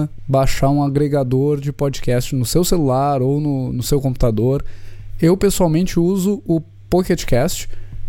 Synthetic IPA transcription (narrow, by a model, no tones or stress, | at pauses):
baʃaũaɡɾeɡad̪oɾd͡ʒɪpɔd͡ʒɪkɛst͡ʃɪnʊsewselulaɾownʊnʊsewkõpu̥t̪ad̪oɾewpesuawmẽnt͡ʃɪuzʊʊ | poket͡ʃɪ̥kɛst͡ʃɪ̥